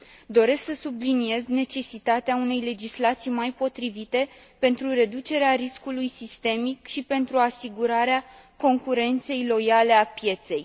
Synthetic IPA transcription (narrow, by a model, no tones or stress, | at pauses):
d̪o̞ɾe̞sksəsublinie̞zne̞t͡ʃe̞sit̪at̪eaune̞jle̞d͡ʒislat̪sijmajpo̞t̪ɾivit̪e̞ | pe̞nt̪ɾuɾe̞d̪ut͡ʃe̞ɾeaɾiskulujsist̪e̞mikʃipe̞nt̪ɾuasiɡuɾaɾea | ko̞ŋkuɾe̞nt̪se̞jlo̞jale̞apje̞t̪se̞j